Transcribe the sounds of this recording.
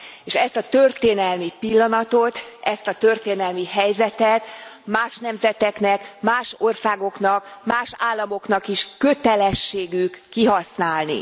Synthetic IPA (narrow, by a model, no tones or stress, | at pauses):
eːʃɛst̪ɒt̪ørt̪eːnɛlmipilːɒnɒt̪o̞t̪ɛst̪ɒt̪ørt̪eːnɛlmiɦɛjzɛt̪ɛt̪maːʃnɛmzɛt̪ɛknɛkmaːʃo̞rsaːɡo̞kn̪ɒkmaːʃaːlːɒmo̞knɒkiʃkø̞t̪ɛlɛʃːeːɡykːiɦɒsnaːlnḭ